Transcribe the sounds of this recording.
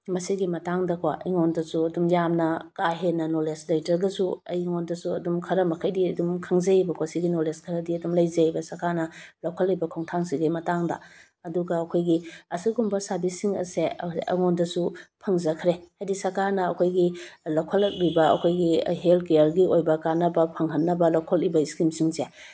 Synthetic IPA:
mɐsiɡimɐtaŋdɐkʰwaʔḭŋondɐsuɐdumjamnɐkaɦenɐnoleslɐjtɾɐɡɐsuɐ̰jŋondɐsuɐdumkʰɐɾɐmɐkʰɐjdiɐdumkʰɐŋzɐibɐkʰwasiɡinoleskʰɐɾɐdiɐdumlɐjzɐbɐsɐɾkaɾnɐlɐwkʰɐlːijbɐkʰoŋtʰaŋsiɡimɐtaŋdɐ̰ | ɐduɡɐɐkʰojɡiɐsiɡumbɐsabisiŋɐ̰seɐ̰ŋondɐsupʰɐŋzɐkʰɾehajdisɐɾkaɾnɐɐkʰojɡilɐwkʰɐlːɐk̚ɾibɐɐ̰kʰojɡiɦelkeɐɾɡiojbɐkanɐbɐpʰɐŋɦɐnːɐbɐlawkʰɐlibɐiskɾimsiŋze

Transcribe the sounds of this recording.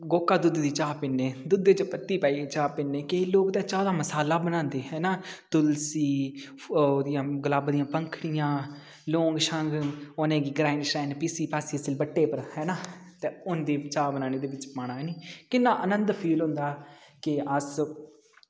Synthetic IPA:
ɡoːkːaːd̪ʊd̪d̪iːt͡ʃaːpɪnːeːd̪ʊd̪ːeːt͡ʃəpət̪ːiːpaːiːt͡ʃaːpɪnːeːkeloːkt̪ẽːt͡ʃaːd̪aːməsaːlaːbənãːnd̪eːɦɛːnaːt̪ʊlsiː | d̪ɪjãːɡəlaːbd̪ɪjãːpəŋkʰɽɪjãː | loːŋɡʃəŋɡoːnẽːɡiːɡɾaːɪɳɖʃɾɛːnpiːsiːpaːsiːsɪlbəʈːeːpəɾhɛːnaːt̪eːʊnd̪eːt͡ʃaːbənaːneːd̪eːʋɪt͡ʃpaːɽaːɛːniːkɪnːãːʔənənd̪pʰiːlɦʊ̃nd̪aːkɪəs

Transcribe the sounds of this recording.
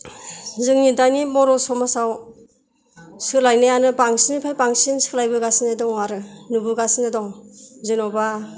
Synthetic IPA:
zɯŋnidanimɔɾɔsɔmasaw | sɯlajnajanɯbaŋsinipʰajpaŋsinsɯ̥k̚lajbɯɡasinadɔŋwaɾɯnubuɡasinadɔŋzɯnɔba

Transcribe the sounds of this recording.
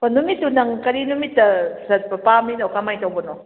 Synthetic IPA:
panumitːunaŋkɐɾinumitːɐsɐtpɐpaminawkamajtawbɐnɔ

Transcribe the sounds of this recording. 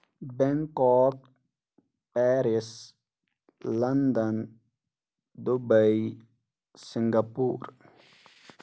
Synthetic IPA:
beŋkɔːk | pɛːɾis | lɐnd̪ən | d̪ubəi | siŋɡapuːɾ

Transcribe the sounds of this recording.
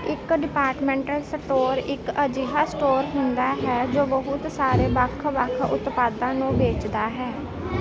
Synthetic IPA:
ɪkɖɪpaːɾʈmɛ̃ːɳʈəlsəʈoːɾɪkəd͡ʒiːɦaːsʈoːɾɦʊnd̪aːɦɛːd͡ʒoːbəɦʊt̪saːɾeːbəkʰbəkʰʊ̰t̪paːd̪ãːnũːbeːt͡ʃd̪aːɦɛː

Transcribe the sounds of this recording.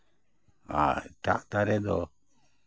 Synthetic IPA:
a̰t̪a̰ʔt̪aɾɛd̪ɔ

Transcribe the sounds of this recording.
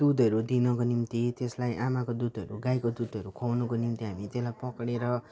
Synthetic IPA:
d̪̥ud̪ʱʌɾud̪inʌkonimt̪it̪eslajʔamakod̪ud̪ʱʌɾuɡajkod̪ud̪ʱʌɾukʰownʌkonimt̪iɦamit̪eslajpʌkɽeɾʌ

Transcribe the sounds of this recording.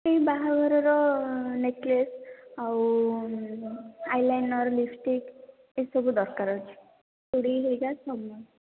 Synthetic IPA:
eibaɦaɡʱɔɾɔɾɔneʈlesaw | ajlajnɔɾlifʈik | esɔbud̪ɔɾkaɾɔt͡ʃʰi̥ | t̪uɽiɦeɡasɔbɔ

